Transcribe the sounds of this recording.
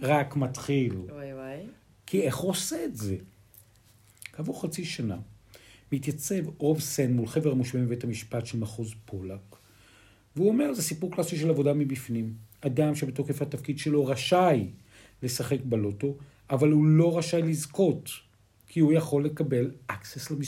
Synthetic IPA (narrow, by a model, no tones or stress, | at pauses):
ʁakmatχil | kʰie̞χuoseːtze̞ | kavuʁχat͡siʃanamitjat͡se̞vʁo̞vsenmulχe̞veʁamuʃvimibethamiʃpatʃelmaχozpʰo̞lak | veuo̞me̞ʁlzesipuʁklasiʃelavo̞damibifnimadamʃebetokefhatafkid̪ʃe̞loʁaʃaj | le̞saχe̞kbaloto̞ | avalhulo̞ʁaʃajlizko̞t | kʰiujaχo̞lːe̞kabe̞lʔakseslami